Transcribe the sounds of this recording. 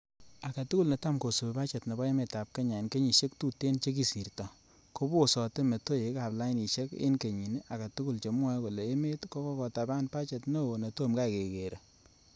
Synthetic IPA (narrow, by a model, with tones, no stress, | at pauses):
a˨ka˨tu˦ku˦lne˨ta˦mko˨su˨be˨pa˦t͡ʃɛ˨tnɔ˨bɔ˦e˦me˨ta˨p̚ke˦ɲa˨e˨nke˦ɲi˨ʃe˦k̚tu˦tːe˦nt͡ʃe˦k̬i˦˨si˨ɾtɔ˨ | ko˦bo˦˨sɔ˨te˦me˨to˦je˨˦ka˨pla˦ɪ˦ni˨ʃe˦kɪ̰˦nke˨ɲi˨n˦a˨ka˨tu˦ku˦lt͡ʃe˨mwɔ˦ko˨le˨e˦me˦tkɔ˦kɔ˦kɔ˨ta˨ba˦npa˦t͡ʃɛ˨tno˦˨ne˨to˦˨mka˦˨ke˨ke˨ɾʔe˨